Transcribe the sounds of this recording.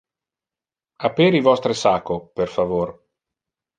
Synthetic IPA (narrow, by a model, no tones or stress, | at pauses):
apeːɾivɔst̪ɾesakːoperfavor